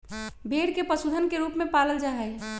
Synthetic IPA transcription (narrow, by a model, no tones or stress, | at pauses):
bʱeːɽkepəsud̪ʱənkeɾuːpmẽpaːləld͡ʒaɦəj